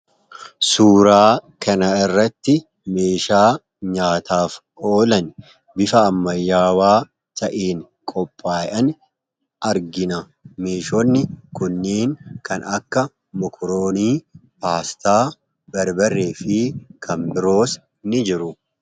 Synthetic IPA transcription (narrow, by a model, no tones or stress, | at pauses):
suːɾaːkɐnɐɪrːɐt̪ːɪ | meːʃaː | ɲaːt̪aːfʔoːlɐn | bɪfɐːmːɐjːaːwaː | t̪ʰɐʔiːn | kʼɔpʼːaːjʔɐn | ʔɐɾɡɪnɐ | meːʃɔnːɪkʊnːiːŋkʰɐnɐkːɐ | mɔkʰɔɾoːniːpaːst̪aː | bɐɾbɐrːeːfɪkʰɐmbɪɾo̞ːs | nɪd͡ʒɪɾʊ